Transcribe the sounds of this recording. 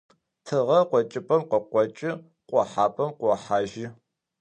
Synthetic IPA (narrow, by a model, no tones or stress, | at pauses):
tʰɨʁɐqʷɔt͡ʃʼɪpʼɐmqʷɔqʷɔt͡ʃʼɪ | qʷʼɔħaːpʼɐmqʷɔħaːʒɪ